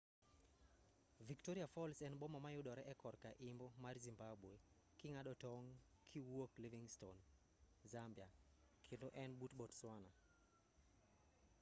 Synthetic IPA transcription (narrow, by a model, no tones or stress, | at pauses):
viktoɾiafɔlsɛnbomamajʊɗɔɾɛʔɛkɔɾkaʔɪmbomarzimbabwe | kɪŋaɗɔtɔŋ | kʰiwokliviŋston | zambja | kʰendoʔɛnbutbɔtswana